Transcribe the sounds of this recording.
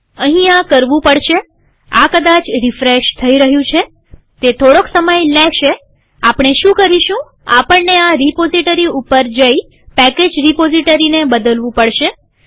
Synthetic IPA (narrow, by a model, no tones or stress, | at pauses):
əɦĩakəɾʋũpəɽʃe | a̰kəd̪at͡ʃɾifɾeʃt̪ʰəiɾəɦjũt͡ʃʰe | t̪et̪ʰoɽoksəməjleʃe | apɳ̃eʃũkəɾiʃũ | apəɳneaɾipoziʈəɾiupəɾd͡ʒəi | pɛked͡ʒɾipoziʈəɾinebəd̪əlʋũpəɽʃe